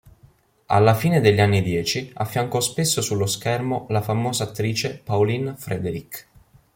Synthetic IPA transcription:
a̰lːafiːned̪eʎːanːid̪jɛːt͡ʃia̰fːjaŋkɔspesːosulːoskɛrmolafamoːzaːt̪ːɾiːt͡ʃepaolinfɾɛd̪eɾik

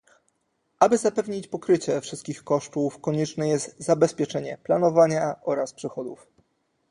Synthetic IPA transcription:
ʔabɘzapɛvɲit͡ɕpɔkɾɘt͡ɕɛfʂɘst̪̚kʲixkɔʂt̪ufkɔɲɛt͡ʂnɛjɛst̪zabɛspʲjɛt͡ʂɛɲɛplanɔvaɲaʔɔɾaspʂɘxɔd̪uf

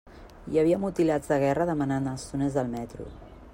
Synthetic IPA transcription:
iəβ̞iəmut̪ilad͡zðəɣ̞ɛrəðəmənanəlˠst̪unezðəlˠmɛt̪ɾṵ

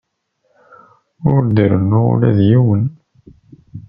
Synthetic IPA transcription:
ʊɾd̪əɾənːʊʁʊ̰læðjiwən

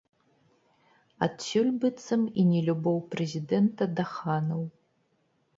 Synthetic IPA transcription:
a̰tsulʲbɨt͡sʰʼɨminʲilʲubowpʰrezidentʰɐdaχaːnɐw

